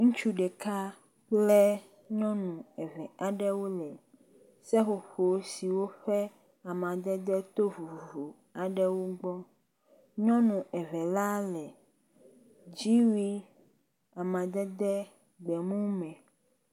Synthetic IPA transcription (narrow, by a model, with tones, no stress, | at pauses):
ŋũ˦t͡ʃu˦ɖɛ˨ka˦ | k͡plɛ˦ | ɲɔ̃˦nũ˨ɛ˨vɛ˨a˨ɖɛ˦wo˦lɛ˨ | sɛ˦ɸo˨ɸo˨˦si˨wo˦ɸɛ˦ | a˨mã˨d̪ɛ˦d̪ɛ˦t̪o˦vu˨u˨vo˨ | a˨ɖɛ˦wo˦ɡ͡bɔ˦ | ɲɔ̃˦nũ˨ɛ˨vɛ˨la˦lɛ˨ | d͡ʑi˦wi˦ | a˨mã˨d̪ɛ˦d̪ɛ˦ | ɡ͡bɛ˨mũ˦mɛ̃˨